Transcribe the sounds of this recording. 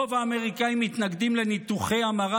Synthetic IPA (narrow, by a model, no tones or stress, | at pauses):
ovaːme̞ʁikaimːit̪naɡd̪imle̞nit̪uχe̞jamaʁa